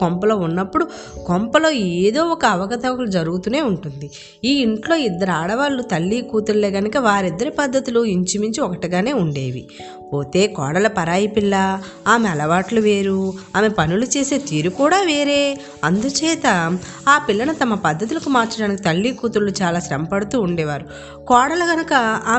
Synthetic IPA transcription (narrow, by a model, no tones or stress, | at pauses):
kɔmpɐlo̞ːunːɐpːuɽu | kompɐlo̞ːeːd̪o̞ːɔkɐːʋɐkɐt̪ɐʋɐkɐlud͡ʒɐɾuɡut̪une̞ːuɳʈund̪i | iːiɳʈlo̞ːid̪ːɐɾaːɽɐʋaːɭːut̪ɐlːiːkuːt̪uɾle̞ːɡɐnukɐʋaːɾid̪ːɐɾipɐd̪ːɐt̪uluiɲt͡ʃimiɲt͡ʃiɔkɐʈiɡaːne̞ːuɳɖe̞ːʋḭ | po̞ːt̪e̞ːkɔ̰ːɽɐlɐpɐɾaːjɐpilːɐ | aːmeɐlɐʋaːʈluʋe̞ːɾuaːme̞pɐnulut͡ʃe̞ːse̞ːt̪iːɾukuːɽaːʋeːɾe̞ː | ɐnd̪ut͡ʃɛːt̪ɐ | aːpilːɐnut̪ɐmɐpɐd̪ʱːɐt̪̬ulɐkumaːɾt͡ʃɐɽaːnikit̪ɐlːiːkuːt̪uɾlut͡ʃaːlaːsɾɐmpɐɽut̪uːɳɖɛːʋaːɾu | kɔːɽɐlɐɡɐnukɐaː